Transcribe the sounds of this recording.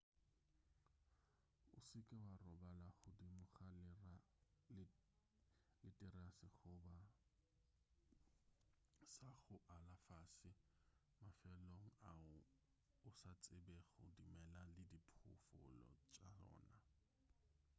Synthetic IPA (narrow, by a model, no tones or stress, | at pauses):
ʊsɪkʼɪwarɔbalaχʊdimʊχa | lɪtʼɪrasɪχʊba | saχʊʔalafasɪ | mafɛloŋ̩aʊ | ʊsat͡sʼɪbɛχʊdimɛlalɪdipʰʊ̰fʊ̰lɔ̰t͡ʃʼaɔ̰ːna